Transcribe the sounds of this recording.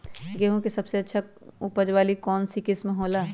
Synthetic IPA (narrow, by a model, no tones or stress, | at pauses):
ɡeɦũkesɐbseɐtːʃʰaupəd͡ʒʋaːlikɔːnsikɪsmẽɦoːla